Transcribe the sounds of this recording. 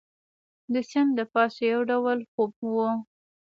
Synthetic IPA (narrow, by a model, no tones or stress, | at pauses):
d̪əsɪnd̪əpɑsajawɖawəlxob̚wo